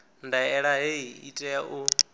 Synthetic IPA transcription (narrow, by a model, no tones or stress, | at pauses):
ndaɛɺaɦeiḭtʼɛjaʔu